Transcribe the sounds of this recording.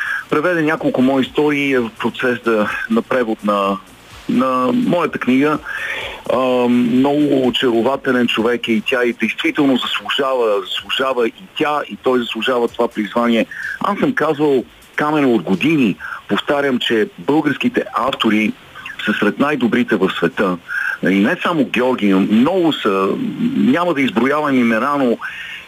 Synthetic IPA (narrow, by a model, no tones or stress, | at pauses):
pɾɛvɛd̪ɛnʲakolˠkʊmɔjist̪ɔɾiːɛvəfpɾot̪sɛsənɐpɾɛvot̪nɐ | nɐmɔjət̪əkniɡə | mnɔɡʊːt͡ʃɛɾovat̪ɛlɛnt͡ʃovɛkɛit̪ʲaid̪ɛjst̪vit̪ɛlˠnozɐslˠʊʒavəzɐslˠuʒavəʔit̪ʲait̪ɔjzɐslˠʊʒavət̪ovapɾizvanʲiɛa̰sːəmkazvəlˠ | kamɛɾəod̪ɡod̪inipoft̪aɾʲəmt͡ʃɛbɤlˠɡəɾsk̟it̪ɛʔaft̪oɾi | səsɾɛt̪najd̪obɾit̪ɛvəfsvɛt̪ɤnɐ̰linɛsamoɡʲɛɔɾɡʲimnɔɡʊsə | nʲamɐd̪ɐizbɾojavɐmimɛnano